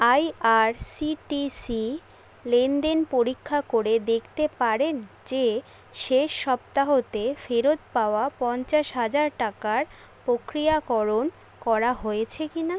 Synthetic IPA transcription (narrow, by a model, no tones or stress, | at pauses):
ajaɾsiʈisi | lenɖenpoɾikʰːakoɾed̪ekʰt̪epaɾen | d͡ʑe | ʃeʃːɔp̚t̪aɦot̪efeɾot̪̚paoapɔnt͡ɕaʃɦad͡ʑaɾʈakaɾ | pɾokɾijakɔɾon | kɔɾaɦojet͡ɕʰekina